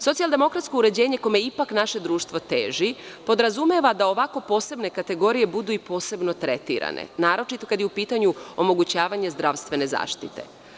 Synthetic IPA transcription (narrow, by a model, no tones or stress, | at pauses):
sot̪ialˠd̪e̞mo̞kɾat̪skouɾe̞d͡ʑe̞ːɲe̞komeipaknaʃe̞d̪ɾuːʃt̪ʋo̞t̪eːʒipo̞d̪ɾazumeʋad̪ao̞ʋako̞po̞ːse̞bne̞kat̪e̞ɡo̞ɾije̞bud̪uipo̞ːse̞bno̞t̪ɾet̪ḭɾa̰nḛnaːɾo̞t͡ʃit̪o̞kad̪jeupiːt̪aɲuomo̞ɡut͡ɕaːʋaɲezd̪ɾaʋst̪ʋe̞ne̞za̰ːʃt̪it̪e̞̰